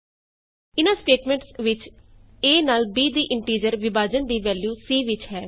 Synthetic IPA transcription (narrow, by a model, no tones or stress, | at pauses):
ɪnaːsʈeːʈmɛ̃ːɳʈsʋɪt͡ʃ | eːnaːlbiːd̪iːʔɪɳʈiːd͡ʒəɾʋɪbaːd͡ʒənd̪iːʋɛːljuːsiːʋɪt͡ʃɦɛː